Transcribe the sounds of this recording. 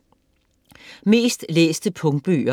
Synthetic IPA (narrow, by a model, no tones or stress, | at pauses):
me̝̰ːsd̥lḛːsd̥əpʰɔ̽ŋ̥̚b̥ø̰ːɐ